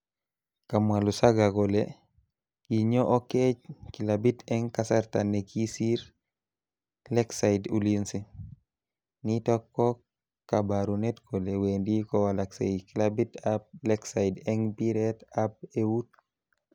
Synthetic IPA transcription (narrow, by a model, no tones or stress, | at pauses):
kamwalusaɡakole | kiɲɔʔɔket͡ʃkilabitɛŋkasaɾtanekʰisiɾ | lɛksaidulinsi | nitɔkːɔ | kabaɾunetkʰɔleweːndikɔwalaksejikilabitap̚lɛksaidɛŋpiɾɛtap̚ewut